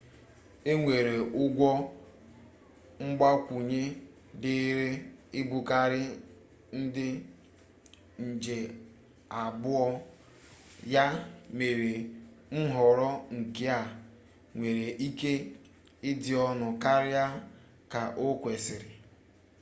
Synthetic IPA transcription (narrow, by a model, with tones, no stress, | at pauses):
e˦ŋʷe˨ɾe˨ʔʊ˦ɡʷɔ˦ | ŋ͡m̩˦ɡ͡ba˦kʷu˨ɲe˦ | dɪ˦ɾe˦ɪ˦bu˨ka˦ɾɪ˦ | n̩˦dɪ˦ | n̩˨d͡ʒe˨ | a˨bʊ˦ɔ˦ | ja˦me˨ɾe˨ | n̩˦ɦɔ˨ɾɔ˦ŋ̩˨ke˦a˨ | ŋʷe˨ɾe˨ʔi˦ke˦ | ɪ˦dɪ˨ɔ˦nʊ˨ka˦ɾɪ˦a˦ | ka˨ʔo˦kʷe˨sɪ˨ɾɪ˨